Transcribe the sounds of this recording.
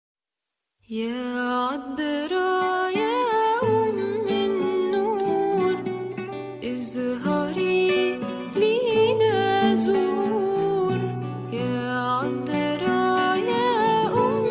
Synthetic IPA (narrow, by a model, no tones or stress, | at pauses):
jæʕɑd̪ːɾˤɑjaʔʊmːɪnːuɾ | ʔɪzɦɑɾi | linazʊhuɾ | jæːʕɑd̪ːɪɾɑjaʔʊm